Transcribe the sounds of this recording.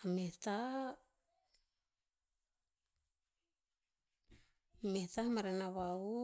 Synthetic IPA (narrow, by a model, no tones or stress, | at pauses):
ameht̪a | met̪amaɾenawau